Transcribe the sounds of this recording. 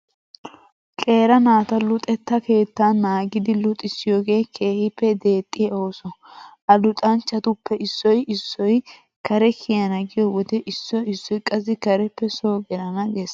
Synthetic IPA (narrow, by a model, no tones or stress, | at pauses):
kʼe̞ːɾɐnaːt̪ɐlʊt̪ʼɛt̪ːɐke̞ːt̪ːanːaːɡɪd̪ɪlʊt̪ʼɪsɪjo̞ːɡe̞ːkʰe̞ːhɪpːɛd̪e̞ːt̪ʼːɪjɐo̞ːsɔʔɐlʊt̪ʼɐnt͡ʃːɐt̪ʊpːɛʔɪsːɔjɪsːɔj | kɐɾɛkʰɪjɐnɐɡɪjɔwɔd̪ɛʔɪsːɔjɪsːɔjkʼɐs̬ɪkɐɾɛpːɛso̞ːɡɛɾɐnɐɡes